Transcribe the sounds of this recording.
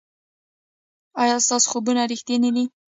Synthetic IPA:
ɑjɑst̪ɑso̥xobunaɾixt̪enid̪i

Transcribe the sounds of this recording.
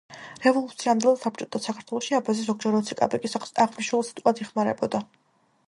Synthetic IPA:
ɾɛvɔlˠut̪sʰiamd̪ilˠad̪sap̚t͡ʃʼɔt̪ʰasakʰaɾt̪ʰwɛlˠɔʃiabazizɔɡd͡ʒɛɾɔt̪sʰikʼa̰bɛkʼisaʁmniʃwɛlˠsi̥t̪ʼkʼad̪ɛχmaɾɛbɔd̪a

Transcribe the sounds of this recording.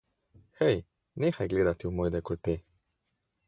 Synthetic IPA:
həj | nexajɡled̪at̪iwmojd̪ekult̪e

